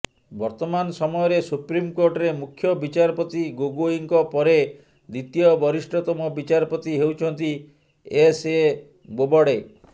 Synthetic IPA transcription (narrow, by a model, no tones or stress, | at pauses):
bɔɾt̪ɔmansɔmɔjɔɾesupɾimkoɾʈɔɾemukʰːjɔbit͡ʃaɾɔpot̪iɡoɡoiŋkɔpɔɾe | d̪it̪ijɔbɔɾisʈɔt̪ɔmɔbit͡ʃaɾɔpot̪iɦewt͡ʃʰɔnt̪i | ese | bobɔɽe